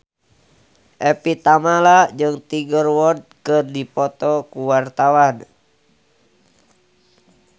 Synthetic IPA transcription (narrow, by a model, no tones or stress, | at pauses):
ʔɛpit̪amalad͡ʒɨŋt̪iɡərwɔrd̪̚kɨrdipɔt̪ɔkuwart̪awan